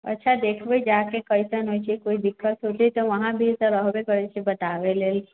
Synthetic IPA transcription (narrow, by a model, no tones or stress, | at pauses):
ə̰tːʃʰad̪eːkʰbəid͡ʒakekəisənɦot͡ʃʰikoid̪ɪkːət̪ɦot̪it̪oʋəɦãbʱisəɾəɦbekəɾt͡ʃʰibət̪aʋeleːl